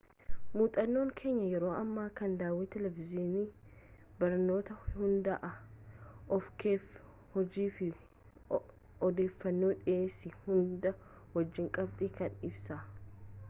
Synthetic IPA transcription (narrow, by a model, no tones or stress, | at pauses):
muːt̪ʼɐnːo̞ːŋkʰe̞ːɲːɐjɛɾo̞ːʔɐmːaːkɐnd̪aːwɛt̪ɛlɛvɪziːnɪ | bɐɾnːo̞ːt̪ɐhʊnd̪ɐʔɐ | ɔfke | hɔd͡ʒiːfɪ | ɔd̪e̞ːfːɐnːoːᶑɪeːsɪhʊnd̪ɐ | wɐd͡ʒːɪŋkʼɐbt̪ɪkɐnɪbsɐ